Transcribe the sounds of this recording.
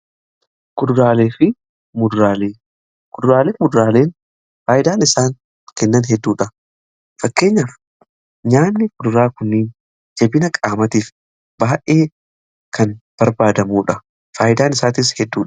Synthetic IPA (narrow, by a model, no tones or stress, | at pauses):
kʊd̪ʊɾaːleːfɪ | mʊd̪ʊɾaːleː | kʊd̪ʊɾaːleːmʊd̪ʊɾaːle̞ːn | faːjɪd̪aːnɪsaːŋ | kɛnːɐnɦɛd̪ːuːᶑɐ | fɐkːe̞ːɲːaːf | ɲaːnːɪkʊd̪ʊɾaːkʊnːɪːn | d͡ʒɛbɪnɐkʼaːmɐt̪iːf | baːʔe̞ː | kɐnb̥ɐɾbaːd̪ɐmuːᶑɐ | faːjɪd̪aːnɪsaːt̪ɪshɛd̪ːuː